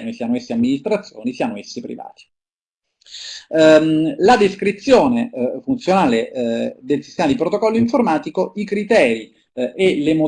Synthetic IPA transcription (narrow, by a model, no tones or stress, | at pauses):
nisianoesːeamːinist̪ɾat̪sːjo̰ːnisianoesːepɾḭva̰ːt̪i̥ | lad̪eskɾit̪sːjoːnefunt̪sjonaːled̪elsist̪ɛːmad̪ipɾot̪okɔlːoiɱformaːt̪ikoikɾit̪ɛːɾi | ʔelemo